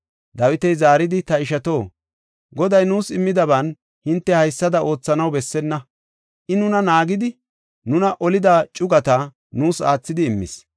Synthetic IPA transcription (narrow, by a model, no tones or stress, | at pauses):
d̪ɐwɪt̪ɛjzaːɾɪd̪ɪt̪ɐɪʃɐt̪o̞ː | ɡɔd̪ɐjnuːsɪmːɪd̪ɐbɐn | hɪnt̪ːɛhɐjsːɐd̪ɐʔo̞ːt͡sːɐnɐwbɛsːɛnːɐ | ʔɪnʊnɐnaːɡɪd̪ɪ | nʊnɐʔɔlɪd̪at͡ʃʼʊɡɐt̪ɐ | nuːsa̰ːt͡sːɪd̪ɪːmːɪ̰s